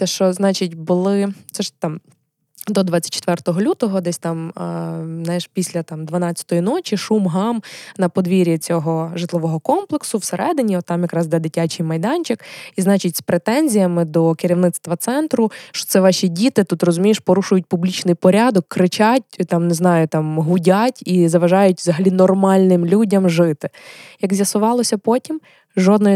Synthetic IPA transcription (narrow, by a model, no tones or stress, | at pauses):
t̪ɛʃt͡ʃɔznɑt͡ʃitʲbʊlˠɪt̪sɛʒt̪ɑm | d̪ɔd̪ʋɑt͡sʲːɐ̥t̚ʲt͡ʃe̥t̪ʋɛrt̪ɔɦɔlʲut̪ɔɦɔd̪ɛsʲt̪ɑm | najɛʃpʲisʲlʲɐt̪ɑmd̪ʋɐnɑt͡sʲːɐ̥t̪ɔjinɔt͡ʃʲiʃumɦɑmnɐpɔd̪ʋʲiɾʲit͡sʲɔɦɔʒɨt̪lˠɪʋɔɦɔkɔmplˠeksʊwseɾʔɛd̪ɪnʲiɔt̪ːɑmjɐkɾɑzd̪ɛd̪ɪtʲat͡ʃɪjmɐjd̪ɑnʲt͡ʃɪkiznɑt͡ʃitʲspɾet̪ɛnʲzʲijɐmɪd̪ɔkɪɾʲiwnɪt̪st̪ʋɐt̪sɛnt̪ɾʊʃt͡ʃɔ̥t̪sɛʋɑʃʲidʲit̪ɪt̪ut̪rɔzʊmʲijeʃpɔɾuʃʊjʊt̚ʲpublʲit͡ʃnɪjpɔɾʲad̪ɔkːɾɪt͡ʃatʲt̪ɑmneznɑjʊt̪ɑmɦʊdʲatʲizɐʋɐʒɑjʊtʲʋzɐɦɐlʲinɔrmɑlʲnɪmlʲudʲɐmʒɪt̪ɪjɐɡzʲjɐsʊʋɑlˠɔsʲɐpɔtʲim | ʒɔd̪nɔ